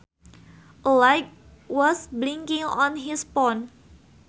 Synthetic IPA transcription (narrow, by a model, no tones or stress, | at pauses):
ʔəlajk̚ | wɔsbliŋkɪ̃ŋɔ̃nɦispɔn